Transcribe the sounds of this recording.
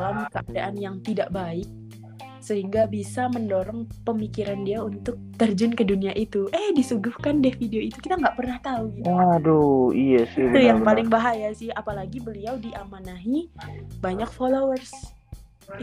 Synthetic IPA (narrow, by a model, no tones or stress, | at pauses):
lamkəʔadaʔanjaŋt̪idaʔbaɪk̚ | səɦiŋɡabisaməndoɾɔŋpəmikiɾandiaunt̪ʊk̚t̪ərd͡ʒənkəduniaʔit̪uʔəhdisuɡʊhkandɛfideoit̪ukit̪aŋɡaʔpərnaht̪auɡidoijasɪt̪ujaŋpalɪŋbaɦajasɪhapalaɡibəliawdiʔamanaɦibaɲak̚folowərs